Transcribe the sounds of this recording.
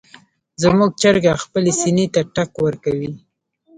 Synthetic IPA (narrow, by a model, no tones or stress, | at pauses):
zəmuɡ̚t͡ʃəɾɡaxpəlesinit̪aʈakwəɾkawi